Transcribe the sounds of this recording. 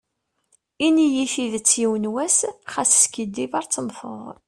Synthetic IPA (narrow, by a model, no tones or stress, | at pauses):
inijifiðət͡sːjiwənwæsχæsskid̪ːivɑɾˤt͡sːəmfə̰ðˤ